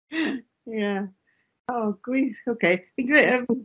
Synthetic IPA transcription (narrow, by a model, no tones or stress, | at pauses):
jæ | oʊɡ̥ɹioʊkʰeɪɪɡeɛ